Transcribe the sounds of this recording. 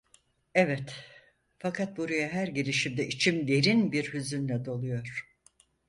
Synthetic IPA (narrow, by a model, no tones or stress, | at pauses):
ɛvɛt̪ | fakʰat̪̚buɾajaɦæɾɟilʲiʃimd̪ɛʔit͡ʃʰimd̪e̞ɾinbiɾhyzynlʲɛd̪o̞lˠujo̞ɾ̥